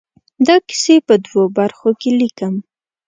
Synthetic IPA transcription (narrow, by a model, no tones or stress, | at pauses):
d̪akɪ̥sepəd̪wobaɾxokelikəm